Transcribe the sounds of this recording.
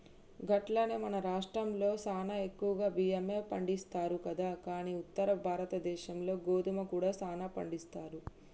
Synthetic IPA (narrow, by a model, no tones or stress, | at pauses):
ɡɐʈlɐneːmɐnɐɾaːʂʈɾɐmlo̞ːsaːnae̞kːuʋɐɡaːbijɐmepɐɳɖist̪aːɾukɐd̪aːkaːniːut̪ːɐɾɐbʱaːɾɐt̪ɐd̪ɛːʃɐmlo̞ːɡo̞ːd̪umɐkuːɽaːsaːnaːpɐ̰ɳɖist̪aːɾu